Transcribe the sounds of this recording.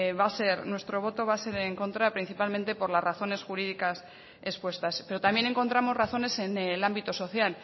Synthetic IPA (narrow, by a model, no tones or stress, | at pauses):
βase̞ɾnwe̞st̪ɾo̞β̞o̞t̪o̞βase̞ɾeŋko̞nt̪ɾapɾin̟θipalmẽnt̪epo̞ɾlazraθo̞ne̞sxuɾið̞ikas | e̞spwe̞st̪aspe̞ɾo̞t̪amje̞nẽ̞ŋko̞nt̪ɾamo̞zraθo̞ne̞se̞nelambit̪oso̞θjal